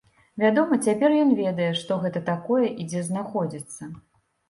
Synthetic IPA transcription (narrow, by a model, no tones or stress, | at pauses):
vʲad̪ɔmɐt͡sʲapʲɛrjɔnvʲɛd̪ɐjɛʂt̪ɔɣɛt̪ɐt̪akɔjɛʔid͡zʲɛznaxɔd͡zʲit̪sːɐ